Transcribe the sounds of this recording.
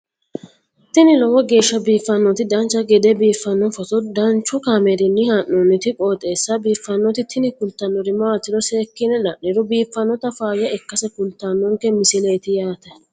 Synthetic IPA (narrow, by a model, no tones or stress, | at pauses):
t̪ɪnɪlɔwɔɡe̞ːʃːɐbiːfːɐnːɔt̪ɪd̪ɐnt͡ʃːɐɡɛd̪ɛbiːfːɐnːɔfɔt̪ɔd̪ɐnt͡ʃːʊkamɛdɪnːɪhɐnːɔnːɪt̪ɪkʼo̞ːt̪ʼe̞ːsːɐbiːfːɐnːɔt̪ɪt̪ʰɪnɪkʊlt̪ːɐnːɔɾɪmaːt̪ːɪd̪ɔse̞ːkːɪnɛlɐʔːɪɾʊbiːfːɐnːɔt̪ɐfaːjɐɛkːɐsɛkʊlt̪ːaːnːɔŋkɛmɪsɪle̞ːt̪ɪjaːt̪ɐ